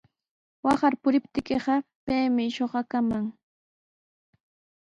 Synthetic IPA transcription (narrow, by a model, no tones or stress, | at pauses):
wɑχɑɾpʊɾɪpt̪ɪkeɢɑpejmɪʃoχɑkamaŋ